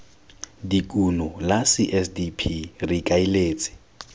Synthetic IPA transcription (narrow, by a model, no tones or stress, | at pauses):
dikʼunɔlasɪʔɛsdipʰirikʼaileːt͡sʼɪ̥